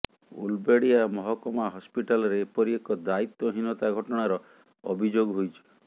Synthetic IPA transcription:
ṵlbeɽiamɔɦɔkɔmaɦɔspiʈalɔɾepɔɾiekɔd̪ait̪wɔɦinɔt̪aɡʱɔʈɔɽ̃aɾɔ | ɔ̰bʱid͡ʒoɡɦojt͡ʃʰi̥

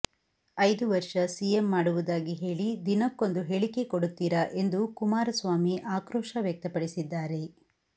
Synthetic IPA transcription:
ɐjd̪uʋɐɾʂɐsiːjemːaːɽuʋud̪aːɡiɦe̞ːɭid̪inɐkːo̞nd̪uɦe̞ɭikekoɽut̪ːiːɾɐʔe̞nd̪ukumaːɾɐsʋaːmiʔaːkɾoːʂɐʋjɐk̚t̪ɐpɐɽisid̪ːaːɾe̞

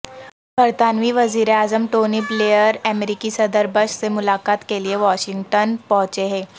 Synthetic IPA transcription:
bʱɐɾt̪aːnʋiʋɐziːɾeaːzəmʈoːnipleːjəɾɛmɾiːkisɐd̪əɾbəʃsemʊlaːkaːt̪kelieʋaːʃɪ̃ŋɡʈənpɔ̃ɦʊ̃t͡ʃeɦɛ̃ː

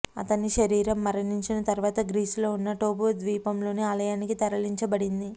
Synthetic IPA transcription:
ɐ̰t̪ɐniʃɐɾiːɾɐmːɐɾɐniɲt͡ʃinɐt̪ɐɾuʋaːt̪ɐɡɾiːslo̞ːunːɐʈoːboːd̪ʋiːpɐmlo̞ːniaːlɐjaːnikit̪ɐɾɐliɲt͡ʃɐbɐɽind̪i

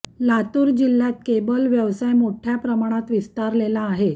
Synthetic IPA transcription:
lat̪uːɾd͡ʑilːjat̪̚kebəlʋjəʋsajmoʈʰjapɾəmaɽ̃at̪ʋist̪aɾlelaːɦe

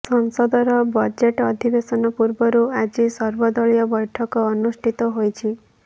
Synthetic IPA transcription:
sɔŋsɔd̪ɔɾɔbɔd͡ʒeʈɔd̪ʱibesɔnɔpuɾbɔɾuad͡ʒisɔɾbɔd̪ɔɭijɔbɔjʈʰɔkɔːnusʈʰit̪ɔɦojt͡ʃʰi

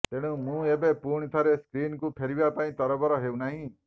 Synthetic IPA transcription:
t̪eɽ̃ũmũebepuɳ̃it̪ʰaɾeskɾiːnkupʰeɾibapaĩt̪ɔɾɔbɔɾɔɦewnaɦĩ

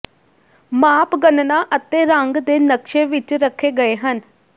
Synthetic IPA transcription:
maːpɡənnaːʔət̪eːɾəŋɡd̪eːnəkʃeːʋɪt͡ʃɾəkʰːeːɡəeːɦən

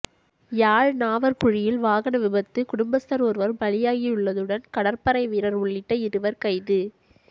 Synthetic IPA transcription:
jaːɻnaːʋɐɾkʊɻɪjɪlʋaːɣɐnɐʋɪbɐt̪ːɯkʊɽʊmbɐst̪ɐɾɔːɾʋɐɾbɐlɪjaːɣiɯɭːɐðɯɽɐnkɐɽɐɾpɐɾɐɪʋiːɾɐɾʊɭːɪʈːɐɪɾɯʋɐɾkɐɪðɯ

